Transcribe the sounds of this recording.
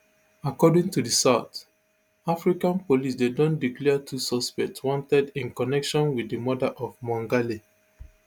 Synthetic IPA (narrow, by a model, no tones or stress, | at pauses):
akɔdĩŋtudisaʊt | afɹikãnpolisdedõndiklɛətʰusɔspɛk̚tswɔ̃ntɛdĩnkɔnɛkʃɔ̃nwiðimɔdaʔɔvmɔ̃ŋɡali